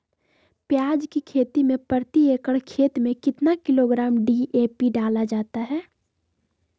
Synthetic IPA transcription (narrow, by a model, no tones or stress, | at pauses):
pjaːd͡ʒkikʰeːt̪imẽpəɾt̪ieːkəɽkʰeːt̪mẽkɪt̪nakɪloɡɾaːmɖiʔeːpiɖaːlad͡ʒaːt̪aɦɛː